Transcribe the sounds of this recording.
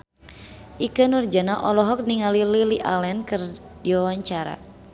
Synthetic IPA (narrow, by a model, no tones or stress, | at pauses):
ʔikənurd͡ʒanaʔɔlɔɦɔk̚niŋalililiʔalɛnkɨr | diwawaɲt͡ʃaɾa̰